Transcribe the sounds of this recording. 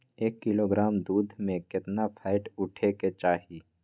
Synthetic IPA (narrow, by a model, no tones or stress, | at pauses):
eːkːɪloːɡɾaːmd̪uːd̪ʱmẽkɪt̪napʰaːɪʈʊʈʰeket͡ʃaːɦi